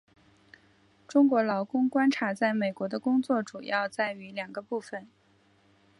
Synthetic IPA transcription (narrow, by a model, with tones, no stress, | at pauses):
ʈ͡ʂʊ˥ŋkwɔ˧˥lɑ˧˥ʊkʊ˥ŋkwa˥nʈ͡ʂʰa˧˥t͡sa˥˩ɪme˨˩ɪkwɔ˧˥d̪ə˧kʊ˥ŋt͡swɔ˥˩ʈ͡ʂu˨˩jɑ˥˧ʊt͡sa˥˩ɪy˧˥ljɑ˨˩ŋɡə˧˦pu˥˩fə˨˩n